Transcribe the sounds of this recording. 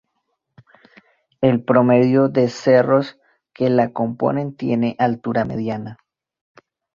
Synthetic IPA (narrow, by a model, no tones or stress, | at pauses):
e̞lpɾo̞me̞ðjoðe̞se̞ro̞s | ke̞lako̞mpo̞̰ne̞nt̪je̞ne̞ʔalt̪uɾame̞̰ðjana